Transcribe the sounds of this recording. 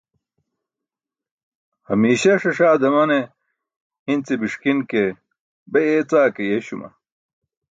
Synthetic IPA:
hɐmiːɕɐʂɐʂaːd̪ɐmɐne | int͡sibiʂkinke | bɐjet͡saːkejeɕumɐ̰

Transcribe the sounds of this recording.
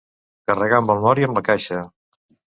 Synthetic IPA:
kərəɣaəmbəlˠmɔɾiəmləkaʃə

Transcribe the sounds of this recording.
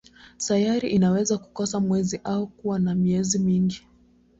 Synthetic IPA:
tajaɾiʔinawɛzaku̥kɔsamwɛziʔaukuwanamiɛzimiŋɡi

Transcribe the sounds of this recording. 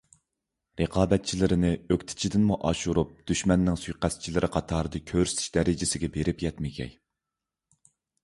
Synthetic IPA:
ɾəqʰɑːbɛt̪̚t͡ʃʰilɪɾɪnɪøkʲt̪ʰɪ̥t͡ʃʰid̪ɪnmuʔɑʃuɾup̚d̪̥yʃmɛnːɪŋsujqæst͡ʃʰilɪɾʔɪqʰɑt̪ʰɑːɾɨd̪ɨkʲʰøɾsɪt̪ʰɪ̥ʃd̪ɛɾɪd͡ʒɪsɪɡʲɛbeɾɪpjɛt̪mɪɡʲɛ̰j

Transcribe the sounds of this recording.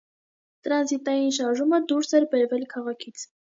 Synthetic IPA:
t̪əɾɑnzit̪ɑjinʃ̬ɑɾʒuməd̪uɾsɛɾbɛɾvɛlkʰɑʁɑkʰit͡sʰ

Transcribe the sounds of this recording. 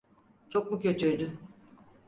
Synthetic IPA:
t͡ʃʰok̚mucʰø̞t̪ʰyɾd̪y

